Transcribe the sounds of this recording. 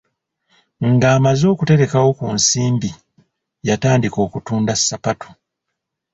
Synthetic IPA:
ŋɡaːmazo̞ːkute̞ɾe̞kawo̞kunsiːmbi | jataːndiko̞ːkutuːndasːapatʰo̥

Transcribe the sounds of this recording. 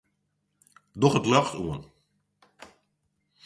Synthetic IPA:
dɔχətlœχtṵən

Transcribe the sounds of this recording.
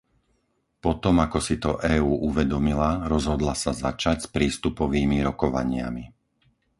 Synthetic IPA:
pɔt̪ɔmakɔsit̪ɔʔɛːuːʔuʋɛd̪ɔmilaɾɔzɦɔd̪lasazat͡ʃacspɾiːst̪upɔʋiːmiɾɔkɔʋa̰ɲɪa̰mi

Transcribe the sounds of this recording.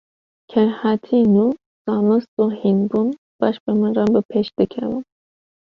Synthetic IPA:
kʲʰɛɾhat̪ʰinu | z̥ɑːmɨst̪uhinbun | b̥ɑʃbemɨnrɑbɨpʰeʃd̪̥ɨkʰɛ̰vɨ̰m

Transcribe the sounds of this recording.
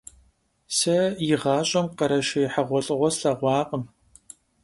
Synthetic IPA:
sɐjɪʁɑːɕʼɐmqɐɾɐʃɐjɪħaʁʷɔɬʼɨʁʷɔɬɐʁʷɑːqʼəm

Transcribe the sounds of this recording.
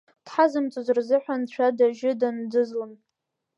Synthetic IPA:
d̥ħazɨmt͡sʼuzrzɨħʷᶣant͡ʃʷʰadaʒɪdandɨzlon

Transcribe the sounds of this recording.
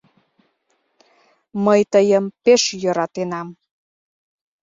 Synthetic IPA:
məjt̪əjəmpeʃjəɾɑt̪enɑm

